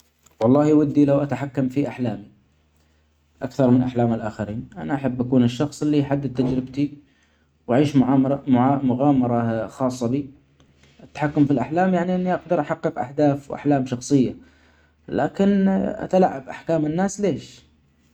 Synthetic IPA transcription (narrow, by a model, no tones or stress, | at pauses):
wɑlˤːɑːhiwad̪ːilawʔat̪aħakːamfiʔaħlaːmi | ʔakθɑɾˤmɪnʔaħlaːmɪlʔaxaɾiːnʔanaʔaħabːʔakuːnɪʃːɑxsˤʔɪlːiħad̪ːɪd̪̚t̪ad͡ʒɾɪbt̪i | wʔaʕiːʃʕʕmʊɣaːmɑɾˤɑxɑːsˤːɑbi | ʔɪt̪ːḁħakːʊmfilʔaħlaːmjaʕniʔɪnːiʔɑɡd̪ɑɾˤʔaħɑqːɨqʔa̰ħd̪aːfwʔa̰ħlaːmʃɑxsˤɨjːa | la̰ːkɪnʔa̰t̪alaʕːabʔaħkaːmɪnːaːsleːʃ